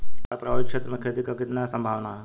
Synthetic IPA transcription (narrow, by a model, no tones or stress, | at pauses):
ɔɾpɾɐbʱaːʋɪkʃet̪ɾəmẽkʰɾet̪ikakɪt̪nasɐ̃mbʱaːʋnaɦɛ